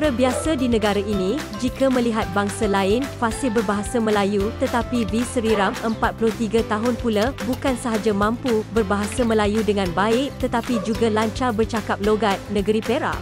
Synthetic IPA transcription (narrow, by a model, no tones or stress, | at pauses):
ɾabiasadinə̃ɡaɾaʔinĩ | d͡ʒikamə̃liɦat̪̚baŋsalaɪnfasɪlbərbaɦasamə̃lajut̪ət̪apibisəɾiɾaməmpat̪̚pulʊht̪iɡat̪aɦʊnpulabukansaɦad͡ʒamãmpubərbaɦasamə̃lajudəŋãnbaɪk̚t̪ət̪apid͡ʒuɡalaɲt͡ʃabərt͡ʃakap̚loɡat̪̚nə̃ɡəɾipeɾa̰